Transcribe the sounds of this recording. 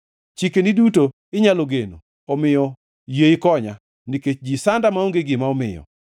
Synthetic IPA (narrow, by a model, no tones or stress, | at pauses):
t͡ʃikeniduto | ɪɲaloɡeno̰ | ɔmɪjɔ | jeɪkɔɲa | niket͡ʃd͡ʒisandamaoŋɡeɡɪmaɔmɪ̰jɔ̰